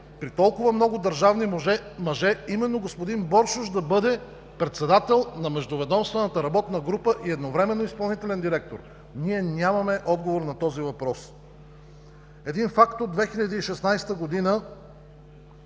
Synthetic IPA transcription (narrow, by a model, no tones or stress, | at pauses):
pɾit̪ɔlˠkʊvəmnɔɡʊd̪ɐɾʒavniɛmɐʒɛimɛnːoɡospod̪inbɔɾʃʊʃd̪ɐbɤd̪ɛ | pɾɛt̪sɛd̪at̪ɛlˠnɐmɛʒd̪ovɛd̪ɔmst̪vɛnət̪əɾɐbɔt̪nɐɡɾupəʔiɛd̪novɾɛmɛnːoispɐlˠnit̪ɛlɛnd̪iɾɛk̚t̪oɾ | niɛnʲamɐmɛʔɔd̪ɡovoɾnɐt̪ɔzivɐpɾɔs | ɛd̪infakt̪od̪d̪vɛxiʎʲɐd̪iːʃɛsnajst̪əɡod̪inə